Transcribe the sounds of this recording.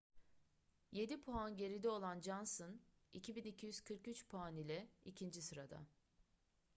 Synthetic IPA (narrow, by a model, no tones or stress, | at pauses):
je̞d̪ipʰuanɟe̞ɾid̪ɛo̞lˠand͡ʒanson | icʰibinicʰijyz̥kʰɯɾkyt͡ʃpʰuanilʲɛicʰind͡ʒisɯɾad̪a̰